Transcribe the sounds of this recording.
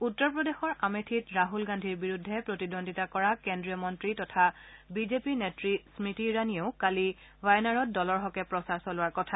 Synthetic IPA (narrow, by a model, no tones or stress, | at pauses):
utːɔɹpɹɔdexɔɹʔametʰitɹaɦulɡandʱiɹbiɹudʱːɛpɹotidonditakɔɹakendɹijɔmɔntɹitɔtʰabizepinetɹismitiɹanioʊkali | bajnaɹɔt̚dɔlɔɹɦɔkɛpɹɔsaɹsɔlʊwaɹkɔtʰa